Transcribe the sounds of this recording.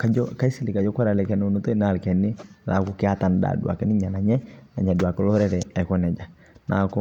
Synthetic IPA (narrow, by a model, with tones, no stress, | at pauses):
ka˨d͡ʒɔ˦ka˦i˦si˦lɪ˨ka˨d͡ʒɔ˦kɔ˦ɾa˨lɛ˨kɛ˨n˨u˨no˦to˦i˦na˨lkɛ˨nːɪ˦la˨kʊ˨kɪ˦a˦ta˨nda̰˨du˨a̰˨kɛ˦nɪ˦ɲa˨na˨ɲɛ˦na˨ɲa˨dwa˨kɔ˦lɔ˦ɾɛ˦ɾɛ˨ɛ˨kɔ˦nɛ˨d͡ʒa˨ | nʔa̰˨kɔ˦